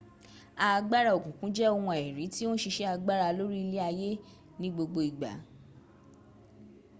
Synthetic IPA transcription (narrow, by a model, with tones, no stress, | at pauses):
a˧ɡ͡ba˦ɾa˦˨o˨kũ˨kũ˨˦d͡ʒɛ˦o˧wɔ̃˧ɛ˨ɾĩ˨˦ti˦wo˦ʃi˧ʃɛ˦a˧ɡ͡ba˦ɾa˧lo˦ɾi˦˧le˦a˧je˦ | nĩ˦ɡ͡bo˧ɡ͡bo˧i˨ɡ͡ba̰˨˦